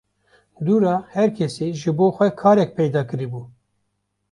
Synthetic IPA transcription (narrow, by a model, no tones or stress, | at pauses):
d̪uːɾɑːhɛɾkʰɛseːʒɨboːxʷɛkʰɑːɾɛk̚pʰɛjd̪ɑːkɨɾibuː